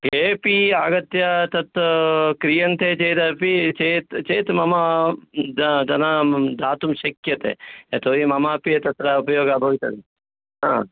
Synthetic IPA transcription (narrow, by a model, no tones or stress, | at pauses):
ɦeːpiaːɡɐt̪jat̪ɐt̪kɾijɐnt̪ʰeːt͡ʃeːt̪ɐpit͡ʃeːt̪t͡ʃeːt̪mɐma | d͡ʒ̪ɐnad̪aːt̪umʃɐkjɐt̪ḛːet̪ʰoːɾimɐmaːpiet̪ɐt̪ɾaupɐjoːɡabʱɐʋit̪ɐd̪i | ɦãː